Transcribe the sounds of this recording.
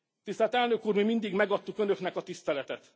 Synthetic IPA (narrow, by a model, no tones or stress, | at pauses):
t̪ist̪ɛlt̪ɛlnø̞kuːrmimind̪iɡmɛɡɒt̪ːukø̞nø̞knɛkɒt̪ist̪ɛlɛt̪ɛt̪